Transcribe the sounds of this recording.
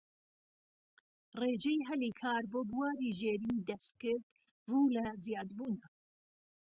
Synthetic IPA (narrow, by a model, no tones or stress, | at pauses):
reːʒɛjɦɛliːkʰaːɾboːbuwaːɾiːʒeːɾiːd̪ɐst̪̚kɨɾd̪ | vuːlɐzjaːd̪buːnɐ